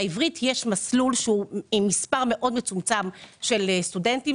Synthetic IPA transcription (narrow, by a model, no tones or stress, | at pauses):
ivʁitʰjeʃmaslulʃeuimːispaʁme̞ʔo̞dme̞t͡sumt͡samʃe̞lestude̞nti